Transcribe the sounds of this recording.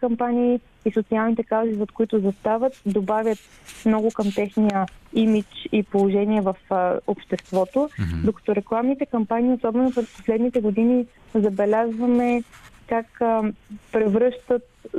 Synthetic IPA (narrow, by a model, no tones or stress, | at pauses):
kɐmpanʲiː | isot̪sialˠnit̪ɛkawzizɛt̪kʊit̪ʊzɐst̪avət̪̚d̪obavʲjət̪ | mnɔɡʊkəmt̪ɛxnijəimit͡ʃipolˠoʒɛniɛvɐfopʃt̪ɛst̪vɔt̪od̪okɐ̥t̪ɔɾɛklˠamnit̪ɛkɐmpaniːosɔbɛnopɾɛspo̥slɛd̪nit̪ɛɡod̪ini | zɐbɛlʲazvɐmɛkak | pɾɛvɾɤʃt̪ət̪̚